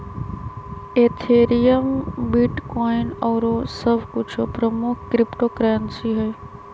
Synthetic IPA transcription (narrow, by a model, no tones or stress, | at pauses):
eːt̪ʰeːɾijəmbɪʈkɔːɪnɔːɾosɐbʱkʊt͡ʃʰopɾəmʊkʰkɾɪpʈoːkɾɛːnsiɦɛː